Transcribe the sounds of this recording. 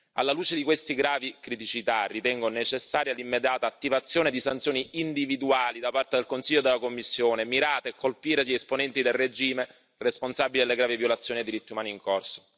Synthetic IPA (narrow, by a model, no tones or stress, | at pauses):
a̰lːaluːt͡ʃed̪ikwest̪iɡɾaːvikɾit̪it͡ʃit̪arit̪ɛŋɡonet͡ʃesːaːɾjalimːed̪jaːt̪aːt̪ːivat̪sːjoːned̪isant̪sjoːniind̪ivid̪uaːlid̪apart̪ed̪elkonsiʎːod̪elakomːisːjoːnemiɾaːt̪eːkʰːolpiːɾeesponɛnt̪id̪elred͡ʒiːme | responsabilid̪elːeɡɾaːvivjolat̪sːjoːnied̪ːiɾit̪ːiumaːniːŋkorso̥